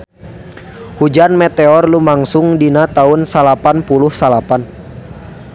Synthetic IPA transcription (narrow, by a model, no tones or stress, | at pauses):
hud͡ʒanmɛt̪ɛɔrlumaŋsʊŋdinat̪aunsalapanpuluhsalapan